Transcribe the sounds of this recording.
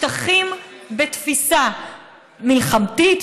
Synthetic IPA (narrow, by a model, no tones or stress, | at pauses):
t̪aχimbet̪fisa | milχamt̪it̪